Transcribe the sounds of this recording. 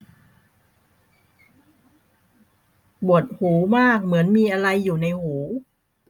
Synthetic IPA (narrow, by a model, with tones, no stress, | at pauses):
bu˨˩ət̪̚huː˩˦maː˥˩k̚mɯ˩˦ənmiː˧ʔa˧ɾa˧jːuː˨˩na˧jhuː˩˦